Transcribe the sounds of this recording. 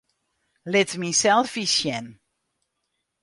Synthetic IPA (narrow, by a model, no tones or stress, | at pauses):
lɪtmisɛlˠfisjɛn